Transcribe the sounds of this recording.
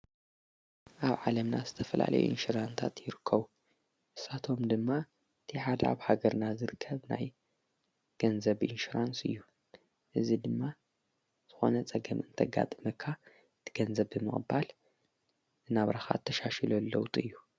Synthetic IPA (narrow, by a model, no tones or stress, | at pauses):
ʔaβʕalɐmnazɨt̪ʰɐfɐla̰lɐ̰jṵʔḭnʃuɾant̪ʰat̪jɪɾɨkʰːɐβu | ʔɨsat̪ʰo̞md̪ɨmːa | ɨt̪ʰiħad̪ɐa̰βhaɡɐɾnazɨɾɨkʰːɐβna̰j | ɡ̥ɐnzɐβʔinʃuɾansɨjːu | ʔɨzid̪ɨmːa | z̥ɨxo̞̰nɐt͡sʼɐɡɐmʔɨnt̪ʰɐɡa̰t̪ʼɨmɐkʰːa | ɨt̪ʰɨ̥ɡ̥ɐnzɐβɨmɨ̰χʼbal | ɨnaβɾaxa̰t̪ʰːɐʃaʃɛlolːowt̪ʼɨjːu